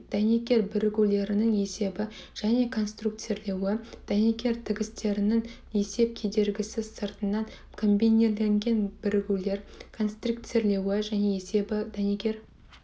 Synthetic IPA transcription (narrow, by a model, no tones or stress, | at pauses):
d̪̥ænekʲe̞ɾbɪɾɪɡʲule̞ɾɪnɪŋe̞se̞bɪʒ̥æne̞kʰo̞nst̪rukt̪se̞ɾle̞wɪd̪̥ænekʲe̞ɾt̪ʰɪɡʲɪst̪e̞ɾɪnɪŋ | e̞se̞p̚kʲʰe̞d̪e̞ɾɡʲɪsɪzsəɾt̪ənːɑŋ | kʰo̞mbʲineɾle̞ŋɡʲe̞nb̥ɪɾɪɡʲule̞ɾkʰo̞nst̪rukt̪seɾle̞wɪʒæne̞ese̞bɪd̪̥ænekʲe̞ɾ